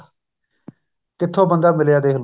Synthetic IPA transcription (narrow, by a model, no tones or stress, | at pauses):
kɪt̪ʰːõːbənd̪aːmɪljaːd̪eːɦl